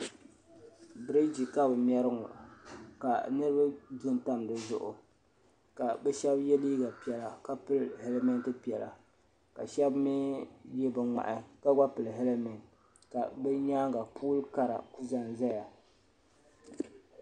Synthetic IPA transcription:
bɾe˦d͡ʒi˨ka˦bɨ˨mʲ˦ɛ˦ɾɨ˦ŋʊ̰˨ka˨nɨ˦ɾɨ˦ba˦du˦n˨ta˦m˨dɨ˨zʊ̰˦ʔʊ̰˨ | ka˨bɛ˦ʃɛ˦bjɛ˦liː˦ɡa˨pi˨ɛ˨la˨ka˦pɨ˦lhe˨le˦mɛ˦ntɨ˦pi˨ɛ˨la̰˨ | ka̰˨ʃɛ˦bmi˦jɛ˦bɛ˨ŋa̰˨ʔa˨ka˦ɡa˦pɨ˨lɦɛ˦le˦mɛ˨n | ka̰˨bɛ˦ɲaː˦ŋɡa˨pʰuː˦lka˨ɾa̰˨ku˦za˨nza˦ja˨

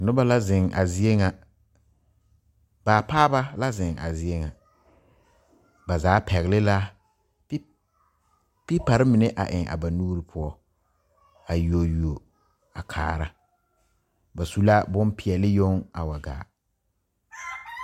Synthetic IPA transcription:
nʊ˦ba˦la˦zɪ˨ŋʔa̰˨zɪ˦e˦ŋa˨ | baː˨paː˦ba˦la˦zɪ˨ŋa̰˨zɪ˨˦e˦ŋa˨ | ba˨zaː˨˦pʰɛ˨ɣɪ˨lɪ˦la˦ | pɪ˦pa˨ɾɪ˦mɪ˨nɛ˦ʔa̰˨ʔɪ˨ŋʔa̰˨ba˨nuː˦ɾi˦pʰʊ˦ɔ˦ | a˨ju˨o˨ju˨o˨ | a˨kʰa̰ː˨ɾa˦ | ba˨su˦la˦bʊ˦mpɪ˨ɛ˨lɪ˦jo˦ŋa̰˨wa˨ɡa̰ː˨

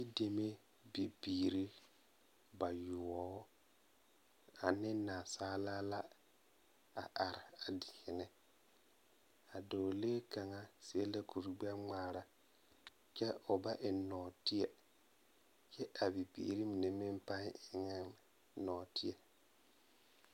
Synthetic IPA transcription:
i˦de˨me˦ | bi˨biː˨ɾi˦ | ba˨ju˨ɔ˨˦ | a˨nɪ˦na˨saː˦laː˦la˦ | a̰˨ʔa˨ɾa˨a˨dɪ˨hɪ˨nɪ˦ | a˨do˨leː˦ka˨ŋa˦si˦e˦le˦ku˨ɾɡ͡bɛ˦ŋ͡maː˨ɾa˦ | t͡ʃɛ˦ʊ˨ba˦ʔɪ˨nɔː˨ti˦ɛ˨ | t͡ʃɛ˦ʔa˨bi˨bḭː˨ɾi˦mi˨ne˨mɪ˦mpa˦ɪ˨ŋa˦m | nɔː˨ti˦e˨

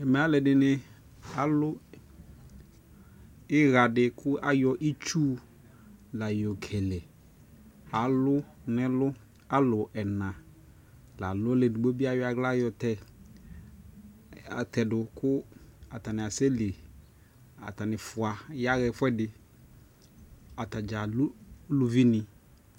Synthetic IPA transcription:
ɛ˨mɛ˨˦a˨˦lɛ˨dɪ˨nɪ̃˨ | a˨lʊ˦ | ɪ˦ɣa˨dɪ˨kʰʊ˦ʔa˦jɔ˨ʔi˦t͡ʃuː˦ | la˨jɔ˨kʰɛ˨lɛ˨ | a˨lʊ˦nɪ̃˦lʊ˦ | a˦lʊ˨ʔɛ˨nã˨ | la˨lʊ˦le˨dʊ˨ɡ͡bo˦bi˦a˦wɪ˦a˨ɡla˦jɔ˨tɛ˨ | tɛ˨dʊ˨kʰʊ˦a˨ta˨nɪ̃˨a˨se˦le˨ | a̰˨ta˨nɪ˨fʊ˨a˨ja˦ɣɛ˨fwɛ˦dɪ˨ | a˨ta˨d͡ʒa˨llʊ˦vi˦nɪ̃˨

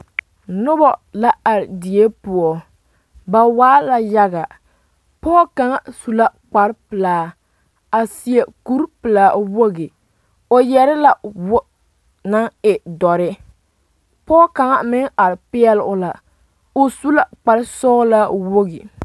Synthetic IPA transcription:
nʊ˦bɔ˨la˦a˨ɾɪ˨di˨e˦pʊ˨ɔ˨ | ba˨waː˦la˦ja˦ɣa˨ | pɔː˦ka˨ŋa˦su˨la˦k͡pa˨ɾɪ˦pɨ˨laː˨ | a˨si˨e˨ku˦ɾpɨ˨laː˨wo˦ɡi˨ | o˨jɛ˦ɾɪ˦la˨w | na˦ŋɪ˨dɔ˨ɾɪ˦ | pɔː˦ka˨ŋa˦mɪ˦ŋa˨ɾɪ˨pɪ˦ɛ˦lʔʊ˦la˨ | o˨su˦la˦k͡pa˨ɾɪ˦sɔ˦la˦wo˦ɣḭ˨

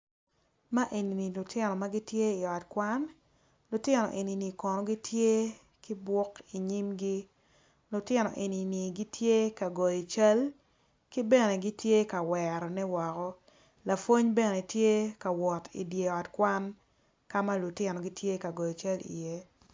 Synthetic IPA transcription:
ma˦ʔe˨ni˨ni˨lʊ˨tɪ˦nɔ˨ma˦ɡi˦tje˦i˨ɔ˨tkwa˦n | lʊ˨tɪ˦nɔ̰˨ʔe˨ni˨ni˨kɔ˨nɔ˨ɡi˦tʰje˦ | ki˦bwɔ˦ki˨ɲi˦mɡi˦ | lʊ˨tɪ˦nɔ̰˨ʔe˨ni˨ni˨ɡi˦tʰje˦ka˨ɡɔ˨jɔ˨t͡ʃa˦l | ki˦bɛ˦ne˨ɡi˦tje˦ka˨wɛ˨ɾɔ˨nɛ˦wɔ˨kɔ˦ | la˨fwo˦ɲbe˦nɛ˨tje˦ka˨wɔ˨tʰḭ˨dje˨ɔ˨tkwa˦n | ka˦ma˦lʊ˨tɪ˦nɔ˨ɡi˦tje˦ka˨ɡɔ˨jɔ˨t͡ʃa˦lḭ˨je˦

